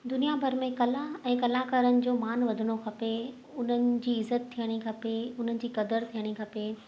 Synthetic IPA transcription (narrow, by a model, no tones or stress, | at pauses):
d̪ʊnijabʱɐɾmẽkɐlaɛ̃ːkɐlakaːɾənɪ̆d͡ʑoːmaːnʋɐd̪ʱɪɽ̃okʰɐpe | ʊn̤ənɪ̆d͡ʑiːɪzət̪ʰːijəɽ̃ikʰɐpeʊn̤ənɪ̆d͡ʑiːkɐd̪əɾt̪ʰijəɽ̃ikʰɐpe